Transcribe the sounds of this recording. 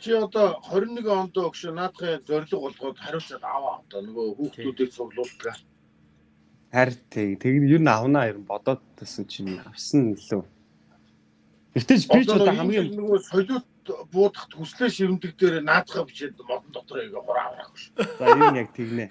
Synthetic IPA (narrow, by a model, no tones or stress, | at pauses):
t͡ɕʰiɔt̪ɔχœɾ̆ʲnːeɣeɔnt̪ɔːkʃinaːt̪χiːŋt͡sœrʲɮɵ̆χʊɮʁɔːt̪χæɾʲʊːɬt͡săt̪awaa̰wt̪ɔːnɵɣoːxuːxt̪uːt̪iːk̚t͡sʰʊɣɮʊːɬt̪̆ɣaː | χæɾʲt̪ʰekt̪ʰeɣt̪juɾɘ̆nawnaːjiɾ̆mpɔt̪ɔːt̪ːasə̆nt͡ɕʰinawsə̆niɮɘ̆ | ekt̪eːt͡ɕiat̪aiamɡiːnɵɣoːsɔjɮʊːt̪pʊːt̪ə̆χt̪xusɮeːʃiwɘ̆nt̪ɘ̆k̚t̪eːɾenaːt̪χaːpi̥t͡ɕeːt̪mɔt̪ɞ̆nt̪ɔt̪ɞ̆rieɣeχʊɾa̰a̰wra̰χʃt͡sajnjak̚t̪ʰeɣneː